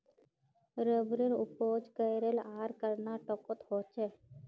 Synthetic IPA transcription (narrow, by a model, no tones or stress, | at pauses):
ɾəbɾeɾʊpoːd͡ʒkəjɾelaːɾkəɾnaːʈɔkot̪hoːt͡ʃʰeː